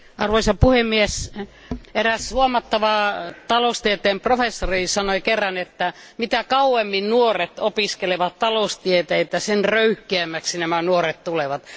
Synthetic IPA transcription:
ʔɑrʋoisɑpuhemːies | eræshuomɑt̪ːɑʋɑːt̪ɑlost̪iet̪eːmprofesːoriːsɑnoikerːɑnet̪ːæ | mit̪ækɑuemːinnuoret̪opiskeleʋɑt̪t̪ɑloust̪iet̪eet̪ːæsenrøyhkeæmːæksinæmænuoret̪t̪uleʋɑt̪

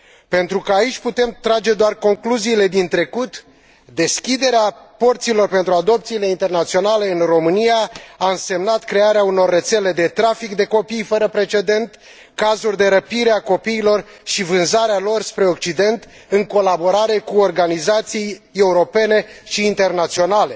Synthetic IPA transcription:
pe̞nt̪ɾukəait͡ʃʲput̪e̞mt̪ɾad͡ʒe̞d̪oarko̞ŋkluziːle̞d̪int̪ɾe̞kut̪ | d̪e̞skʲid̪e̞ɾeapo̞rt̪silo̞rpe̞nt̪ɾuad̪o̞p̚t̪siːle̞int̪e̞rnat̪sio̞nale̞ɨnro̞mɨnijaaɨnse̞mnat̪kɾe̞aɾeauno̞rːe̞t̪se̞le̞d̪e̞t̪ɾafikd̪e̞ko̞pijfəɾəpɾe̞t͡ʃe̞d̪e̞nt̪ | kazurʲd̪e̞ɾəpiɾeako̞piːlo̞r | ʃivɨnzaɾealo̞rspɾe̞okt͡ʃid̪e̞nt̪ | ɨŋko̞labo̞ɾaɾe̞kuorɡanizat̪siije̞uɾo̞pe̞ne̞ʃiːnt̪e̞rnat̪sio̞nale̞

